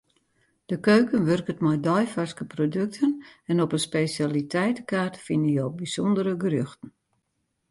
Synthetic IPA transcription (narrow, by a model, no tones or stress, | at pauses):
d̥əkøːkənʋørkətmɔjdɔjfaskəprodøk̚tʰənɛnɔpənspesalitʰɛjtəkaːrtfɪnəjobisɔndəɾəɡərøxtən̩